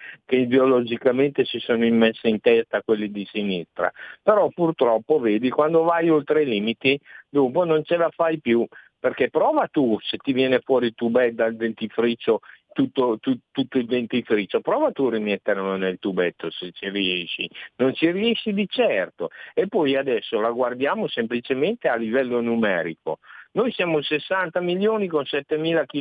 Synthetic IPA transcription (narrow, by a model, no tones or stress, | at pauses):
keid̪eolod͡ʒikament̪esisoːnoimːesːeint̪ɛst̪akwelːid̪isinist̪ɾa̰peɾɔpurt̪ɾɔpːoveːd̪ikwand̪ovajolt̪ɾeiliːmit̪id̪umponont͡ʃelafajpju | perkepɾɔːvat̪uset̪ːivjɛːnefwɔːɾilt̪ubɛd̪ald̪ent̪ifɾit͡ʃːot̪ut̪ːot̪ut̪ːut̪ːoild̪ent̪ifɾit͡ʃːopɾɔːvat̪urimet̪ːeɾlonelt̪ubɛt̪ːoset͡ʃiriɛʃːinont͡ʃiriɛʃːid̪it͡ʃɛrt̪oepːɔjad̪ɛsːolaɡward̪jaːmosemplit͡ʃement̪ealːivɛlːonumɛ̰ːɾḭko̰nojsjaːmosesːant̪amiljoːnikonsɛt̪ːemiːlaki